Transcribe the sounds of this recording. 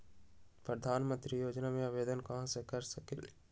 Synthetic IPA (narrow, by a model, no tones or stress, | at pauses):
pɾəd̪ʱaːnmə̃nt̪ɾijoːd͡ʒnamẽaʋeːd̪ənkɐɦãsekəɾsɐkɪl